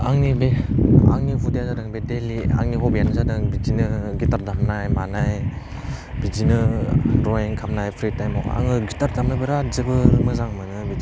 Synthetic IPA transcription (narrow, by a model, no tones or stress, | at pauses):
aŋnibea̰ŋniɦudejazadɯŋbedelia̰ŋniɦɔbijanɯzadɯŋbizinɯɡitaɾdamnajmanaj | bid͡ʒinɯdɾɔiŋkʰamnajpʰɾitajmawa̰ŋɯɡitaɾdamɯbɯɾazɯbɯmɯzaŋmɯnɯbizi